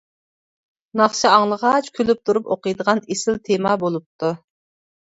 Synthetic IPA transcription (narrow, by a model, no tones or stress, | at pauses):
nɑχʃɨɑŋlˠəʁɑt͡ʃkʲʰølyp̚t̪ʰuɾupoqəjd̪əʁɑnesɪlt̪ʰemɑbolˠup̚t̪ʰu